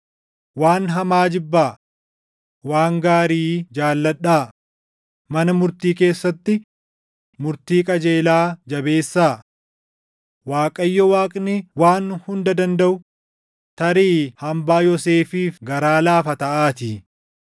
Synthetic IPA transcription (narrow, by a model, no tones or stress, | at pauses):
waːnɦɐmaːd͡ʒɪbːaː | waːŋɡaːɾiːd͡ʒaːlːɐᶑaː | mɐnɐmʊɾt̪iːke̞ːsːɐt̪ːɪ | mʊɾt̪iːkʼɐd͡ʒe̞ːlaːd͡ʒɐbe̞ːsːaː | waːkʼɐjːɔwaːkʼnɪwaːnhʊnd̪ɐd̪ɐnd̪ɐʔʊ | t̪ɐɾiːhɐmbaːjɔseːfiːfɡɐɾaːlaːfɐt̪ɐʔaːt̪ɪ